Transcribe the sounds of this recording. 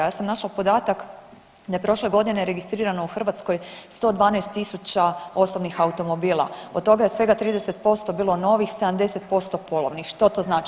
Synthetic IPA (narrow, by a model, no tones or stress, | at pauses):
jaːsamnaʃlapo̞d̪aːt̪ak | d̪ajepɾo̞ʃleɡo̞d̪ine̞ɾe̞ɡist̪ɾiːɾanouxr̩ʋat̪sko̞jst̪o̞d̪ʋaːnɛjst̪ːisut͡ɕao̞so̞bnixaut̪o̞mobiːlˠa̰od̪̚t̪ːo̞ɡaje̞sʋe̞ɡat̪ɾiːd̪ese̞t̪po̞st̪o̞biːlˠo̞no̞ʋixse̞d̪amd̪e̞set̪̚po̞st̪o̞po̞lˠoʋnixʃt̪o̞t̪o̞znaːt͡ʃi